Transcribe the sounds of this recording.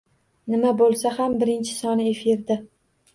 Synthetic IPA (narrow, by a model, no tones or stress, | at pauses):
nɪmabolˠsaɦambɪɾɪnt͡ʃʰɪ̥sɒnɪefɪɾd̪a